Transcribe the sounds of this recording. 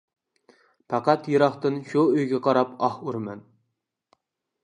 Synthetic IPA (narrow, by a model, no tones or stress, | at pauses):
pʰɑqɑt̪jɨɾɑχt̪ɨnʃuøjɡʲɛqʰɑɾɑpɑhuɾmɛn